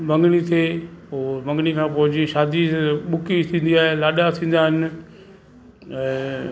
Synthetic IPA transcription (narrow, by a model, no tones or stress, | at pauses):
mɐ̃ŋɡnit̪ʰeːoːbɐ̃ŋɡɽikʰãːpʊɦʊd͡ʑiʃaːd̪iɓʊkit̪ʰĩːn̆d̪iaːɦelaːɗat̪ʰĩːn̆d̪aːɦɪnɪ̆